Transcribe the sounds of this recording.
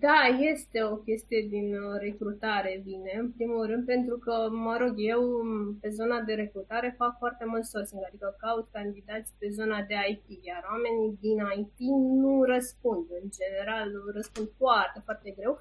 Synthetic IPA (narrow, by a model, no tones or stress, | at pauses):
d̪aje̞st̪e̞o̞kʲe̞st̪ije̞d̪inre̞kɾut̪aɾe̞vine̞ɨnpɾimulrɨnd̪̚pe̞nt̪ɾukəməɾo̞ɡje̞wpe̞zo̞nad̪e̞ɾe̞kɾut̪aɾe̞fakfoart̪e̞mult̪sorsiŋɡad̪ikəkaut̪kand̪id̪at̪sipe̞zo̞nad̪e̞ajt̪ijʲarwame̞nid̪inajp̪inuɾəspund̪ɨnd͡ʒe̞ne̞ɾalrəspund̪foart̪e̞foart̪e̞ɡɾe̞w